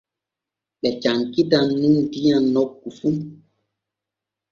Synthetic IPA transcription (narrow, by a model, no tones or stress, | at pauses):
ɓɛt͡ʃaŋkitaŋnin̩dianɔkːufu